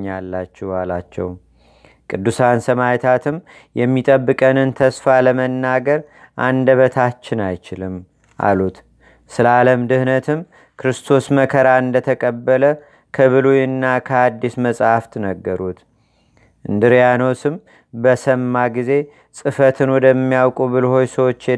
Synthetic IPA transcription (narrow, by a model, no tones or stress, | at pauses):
ɲːalːat͡ʃːɛwala̰t͡ʃːɛ̰w | kʼɨd̪ːusansəmajt̪ʰat̪ʰɨm | jɛmːit̪ʼəbːɨkʼənɨnt̪ʰəsfaləmənːaɡəɾ | ʔa̰nd̪əβət̪ʰat͡ʃːɪnajt͡ʃɪlɨm | ʔa̰lut̪ | sɨləaləmd̪ɨhnət̪ʰɨm | kʰɾɨst̪ʰo̞sməkʰəɾaɨnd̪ət̪ʰəkʼəbːələ | kʰəβɨlujɨnːakʰəad̪ːisməsʼhaft̪nəɡːəɾut̪ | ʔɨnd̪ɨɾjano̞sɨm | bəsəmːaɡize̞ | sʼɨfət̪ʰɨnwɔd̪əmːijawkʼubɨlho̞jsəwo̞t͡ʃːɛ